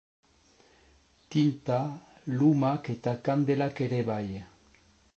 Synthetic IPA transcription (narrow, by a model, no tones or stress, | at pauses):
t̪int̪alumaket̪akand̪elakeɾeβaje